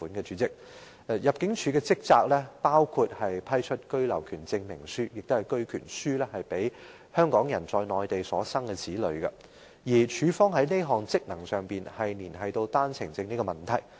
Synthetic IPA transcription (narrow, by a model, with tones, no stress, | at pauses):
uː˨˥nkɛː˧t͡ʃyː˨˦t͡sɪ˥k̚ | jɐ˨p̚kɪ˨˥ŋt͡ʃʰyː˨˧kɛː˧t͡sɪ˥k̚t͡saː˧k̚lɛː˥paː˥wkʰu˧t̚hɐ˨jpʰɐ˥jt͡ʃʰɵ˥t̚kɵ˥ɥlɐ̰˨˩wkʰyː˨˩nt͡sɪ˧ŋmɪ̰˨˩ŋsyː˥jɪ˨k̚t̪o˥hɐ˨˩jkɵ˥ɥkʰyː˨˩nsyː˥lɛː˥hɐ˨jpe˨˥j | hœː˥ŋkɔː˨˥ŋjɐ˨˩nt͡sɔː˧jnɔː˨jt̪e˨jsɔː˨˥sɐ˥ŋkɛ˧t͡sʰiː˨˥lɵ̰˨˧ɥɡɐ˧ | jiː˨˩t͡ʃʰyː˨˧fɔː˥ŋɦɐ˨˥jne˥jɦɔː˨ŋt͡sɪ˥k̚nɐ˨˩ŋsœː˨˩ŋpiː˨nhɐ˨jniː˨˩nhɐ˨jt̪o˧wt̪aː˥nt͡sʰɪ˨˩ŋt͡sɪ˧ŋniː˥kɔ˧mɐ˨˩nt̪ʰɐ˨˩j